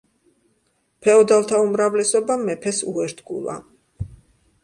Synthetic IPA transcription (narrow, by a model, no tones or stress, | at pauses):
pʰɛɔd̪alˠt̪ʰaumɾavlɛsɔbamɛpʰɛsṵɛɾt̪ʰɡṵlˠa̰